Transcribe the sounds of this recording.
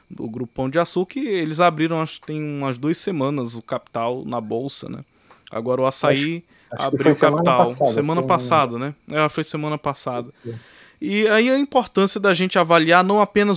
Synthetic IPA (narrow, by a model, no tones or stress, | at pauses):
d̪ʊ̰ɡɾupɐ̃w̃d͡ʒɪasukɪelɪzabɾiɾɐ̃w̃aʃʊkɪ̥t̪ẽj̃ũmɐzd̪uɐsemɐ̃nɐzʊkapi̥t̪awnɐbowsɐ̰nɛ̰ | a̰ɡɔɾɐʊasai | a̰bɾiʊkapit̪awsemɐ̃nɐpasad̪ɐnɛɛɐfojsemɐ̃nɐpasad̪ɐ | iaiɐĩpoɾt̪ɐ̃siɐd̪ɐʒẽnt͡ʃɪavalianɐ̃w̃apẽnɐz